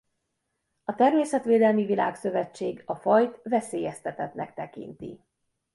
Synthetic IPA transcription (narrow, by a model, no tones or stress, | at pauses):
ɒt̪ɛrmeːsɛt̪ʋeːd̪ɛlmivila̰ːksø̞vɛt͡ʃːeːɡɒfɒjt̪vɛseːjɛst̪ɛt̪ɛt̪nɛkt̪ɛkḭnt̪ḭ